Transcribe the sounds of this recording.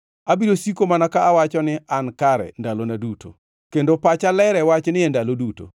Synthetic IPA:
abiɾosikomanakaːwat͡ʃɔnɪankaɾɛ̰ndalonaduto̰ | kendopat͡ʃalɛɾɛwat͡ʃnɪɛndaloduto̰

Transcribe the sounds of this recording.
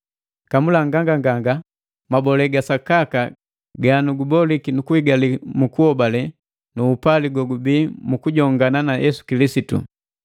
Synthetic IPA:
kamulaŋɡaŋɡaŋɡaŋɡa | mabɔlɛɡasakaka | ɡanuɡubɔlikinukuiɡalimukuhɔbalɛ | nuːpaliɡwɔɡubiːmukuɟɔŋɡananajʔɛsu̥kilisitṵ

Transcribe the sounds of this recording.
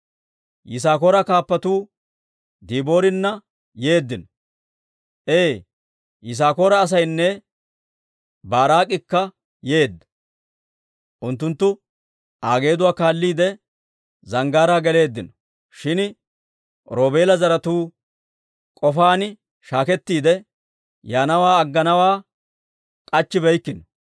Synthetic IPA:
jɪs̬aːkoːɾɐkaːpːɐt̪uː | d̪iːbo̞ːɾɪnːɐ | je̞ːd̪ːɪnɔ | ʔeː | jɪs̬aːkoːɾɐːs̬ɐjnːɛ | baːɾaːkʼːɪkːɐ | je̞ːd̪ːɐ̥ | ʔʊnt̪ːʊnt̪ːʊ | ʔaːɡe̞ːd̪ʊwaːkaːlːiːd̪ɛ | zɐŋɡaːɾaːɡɛle̞ːd̪ːɪnɔ̥ | ʃɪn | ɾoːbe̞ːlɐzɐɾɐt̪uː | kʼɔfaːnɪ | ʃaːkɛt̪ːiːd̪ɛ | jaːnɐwaːɐɡːɐnɐwaː | kʼɐt͡ʃːɪbɛjkːɪnɔ

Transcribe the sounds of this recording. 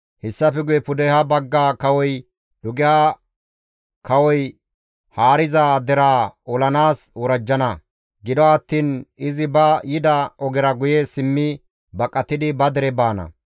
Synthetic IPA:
hɪsːɐfɛɡʊjɛpʊd̪ɛhɐbɐɡːaːkɐwɔj | lʊɡɪa | kɐwɔj | haːɾɪzaːd̪ɛɾaːɔlɐnaːswɔɾɐd͡ʒːɐnɐ | ɡɪd̪ɔɐt̪ːiːnɪzɪbɐjɪd̪ɐʔɔɡɪɾɐɡʊjesɪmːɪ | bɐkʼːɐt̪ːɪd̪ɪbɐd̪ɛɾɛbaːnɐ̰

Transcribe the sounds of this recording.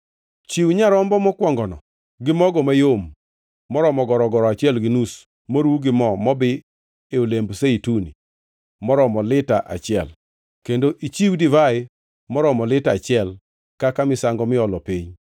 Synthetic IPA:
t͡ʃiwɲaɾɔmbɔmɔkwɔŋɡɔnɔ̰ | ɡɪmɔɡɔmajomː | ɔɾɔmɔɡɔɾɔɡɔɾɔat͡ʃjɛlɡɪnus | moɾuɡɪmɔmɔbɪ | eolembseitunḭ | mɔɾɔmɔlɪtaʔa̰t͡ʃɪɛl | kendoʔit͡ʃiwdivaɪ | mɔɾɔmɔlɪtat͡ʃɪɛl | kakamɪsaŋɡɔmɪɔlɔpiɲ

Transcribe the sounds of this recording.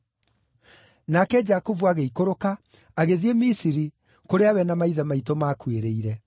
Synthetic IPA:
nakɛd͡ʒakovuaɣeikoɾokaː | ɣeðiemisiɾi | koɾeawɛnamaiðamaitomaːkweɾeiɾɛ

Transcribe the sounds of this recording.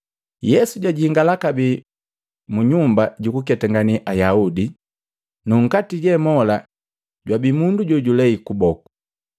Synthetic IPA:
jɛsuɟwaɟihiŋɡalakabi | muɲumbaɟukukɛtaŋɡaniʔajaudi | nuŋ̩katiɟɛmɔla | ɟwabimunduɟɔɟulɛikubɔku̥

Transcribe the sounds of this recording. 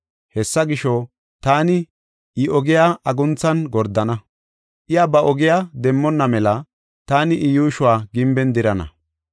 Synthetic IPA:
hɛsːɐɡɪʃɔ | t̪aːnɪ | ɪɔɡɪjaːʔɐɡʊnt͡sːɐnɡɔɾd̪ɐnɐ | ʔɪjaːbɐʔɔɡɪjaːd̪ɛmːɔnːɐmɛlɐ | t̪aːnɪʔɪjuːʃʊwaːɡɪmbɛnd̪ɪɾɐnɐ̰

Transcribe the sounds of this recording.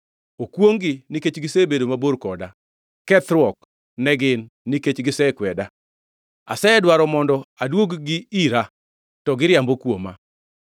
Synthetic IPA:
okwoŋɡɪniket͡ʃɡɪsebedomaboɾkɔda | kɛt̪ɾwɔk | nɛɡɪnːiket͡ʃɡɪsɛkwɛda | a̰sɛɛdwaɾɔmɔndɔadwoɡɡɪiɾa | tɔɡɪɾjambokwoma̰

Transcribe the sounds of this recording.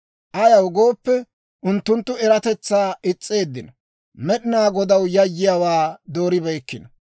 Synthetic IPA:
ʔɐjɐwɡo̞ːpːɛ | ʔʊnt̪ːʊnt̪ːʊɛɾɐt̪ɛt͡sːaːɪt͡sʼːe̞ːd̪ːɪnɐ | mɛɗɪnaːɡɔd̪ɐwjɐjːɪjawaːd̪o̞ːɾɪbɛjkːɪnɐ

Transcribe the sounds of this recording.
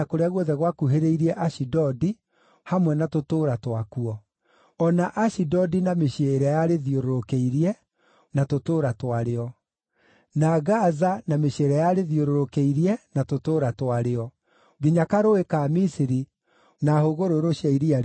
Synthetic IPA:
akoɾeaɣwɔðɛɣwakuɦeɾeiɾiɛʔaʃidɔdi | hamwɛnatotoɾatwakuɔ | ɔnaʔaɕidɔdinameɕeɾɛjaɾeðioɾoɾokeiɾiɛ | natotoːɾatwaɾeɔ | naɣazanameɕeɾɛjaɾeðioɾoɾokeiɾiɛnatotoːɾatwaɾeɔ | ɡiɲakaɾoekamisiɾi | nahoɣoɾoɾoʃaiɾia

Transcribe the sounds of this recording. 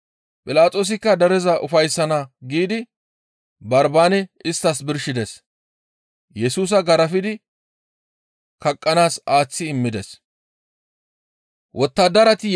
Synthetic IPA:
pʼɪlaːt̪ʼo̞ːs̬ɪkːɐd̪ɐɾɛzɐʔʊfɐjsːɐnɐɡiːd̪ɪ | bɐɾbaːnɛɪst̪ːɐsbɪɾʃɪd̪ɛs | jɛsuːs̬ɐɡɐɾɐfɪd̪ɪ | kɐkʼːɐnaːsaːt͡sːɪːmːɪd̪ɛs | wɔt̪ːaːd̪ɐɾɐt̪ɪ

